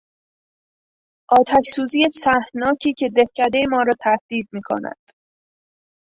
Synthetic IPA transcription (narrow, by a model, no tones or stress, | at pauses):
ʔɒːt̪ʰæʃsuːziːjesæhnɒːcʰiːcʰe̞d̪ehcʰæd̪e̞jemɒːɾɒːt̪ʰæhd̪̥iːd̪̚miːkʰo̰næ̰d̪̥